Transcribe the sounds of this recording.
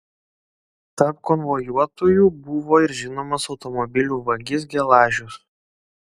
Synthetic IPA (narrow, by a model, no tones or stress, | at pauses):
t̪ɐɾp̚kɔnʋɔjuɔt̪oːjuːbʊʋoːɪɾʒʲɪnoːmɐsɒʊt̪ɔmɔbʲɪlʲuːʋɐɡʲɪs̬ɡʲɛlˠɑːʒʲʊs